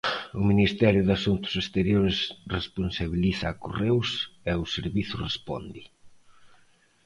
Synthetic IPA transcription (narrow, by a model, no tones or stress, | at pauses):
ʊminist̪ɛɾjʊðasunt̪ʊ̥sest̪eɾjoɾɪsresponsaβiliθaːkorewsɛʊseɾβiθʊrespɔ̰nd̪i